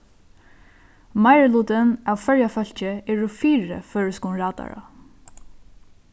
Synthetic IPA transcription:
majɹluːt̪ɪnawfœɹjafœl̥t͡ʃɪɛːɹʊfiːɹə̰fœːɹskunɹaːt̪a̰ɹa̰

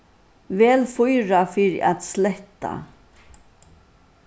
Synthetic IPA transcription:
ʋɛːlfʊjɾafɪɾ̰ʔa̰t̪slɛht̪a̰

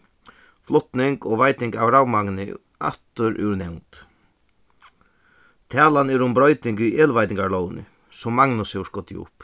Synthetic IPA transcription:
flɔt̪nɪŋkɔːʋajt̪ɪŋkawɾawmaŋnɪ | a̰t̪ʊɾʔʉ̰wɾnɛwnt̪ | t̪ʰæːlanɛɾʊmbɾɔjt̪nɪŋkiʔeːlʋajt̪ɪŋkaɹlɔːwnɪ̰ | sɔmːaŋnʊshɛwʂkɔt̪ɪ̰ʊ̰p

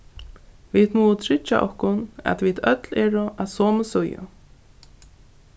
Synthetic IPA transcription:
vit̪muːt̪ʰɾɪt͡ʃːa̰ʔɔhkʊna̰t̪vit̪œt̪lɛːɾʊʔaðsɔːməsʊjʊ̰

